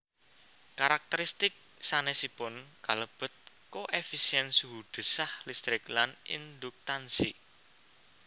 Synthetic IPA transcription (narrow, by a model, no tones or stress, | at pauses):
kaɾak̚t̪əɾist̪ɪk̚ | sanesipʊnkaləb̥ə̤t̪̚ | koʔefisiɛnsɦud̪̥ə̤sahlist̪ɾɪklanḭnd̪ʊk̚t̪ansḭ